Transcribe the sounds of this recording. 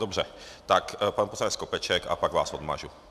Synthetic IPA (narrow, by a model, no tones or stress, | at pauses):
d̪ɔbrɛt̪akpaːnpɔsaɲɛskɔpɛt͡ʃɛka̰paɡʋa̰ːzɔd̪ma̰ːʒu